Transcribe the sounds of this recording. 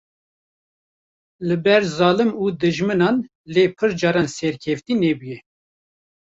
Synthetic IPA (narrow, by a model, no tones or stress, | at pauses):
lɨbɛɾzɑːlɨmuːd̪ɨʒmɨnɑːn | leːpʰɨɾd͡ʒɑːɾɑːnsɛɾkʰɛft̪iːneːbujɛ